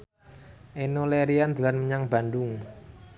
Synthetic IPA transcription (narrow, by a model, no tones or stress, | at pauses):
ʔenoleɾiand̪̥ṳlanməɲaŋb̥a̤ndʊŋ